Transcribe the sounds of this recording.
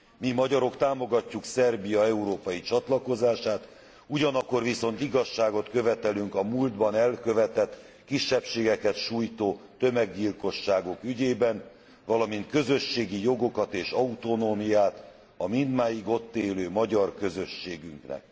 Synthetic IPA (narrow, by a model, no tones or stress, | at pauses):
mimɒɟɒɾo̞kt̪aːmo̞ɡɒcːuksɛrbijɒɛuɾoːpɒjit͡ʃɒt̪lɒko̞zaːʃaːt̪ | uɟɒnɒkːo̞rʋiso̞nt̪iɡɒʃːaːɡo̞t̪kø̞vɛt̪ɛlyŋkɒmuːld̪bɒnɛlkø̞vɛt̪ɛt̪ː | kiʃːɛpʃeːɡɛkɛt̪ʃuːjt̪oːt̪ø̞mɛɡːilko̞ʃːaːɡo̞kyɟeːbɛn | vɒlɒmint̪kø̞zø̞ʃːeːɡijo̞ɡo̞kɒt̪eːʃɒut̪o̞noːmijaːt̪ | ɒmind̪maːjiɡo̞t̪ːeːløːmɒɟɒrkø̞zø̞ʃːeːɡyŋknɛ̰k̚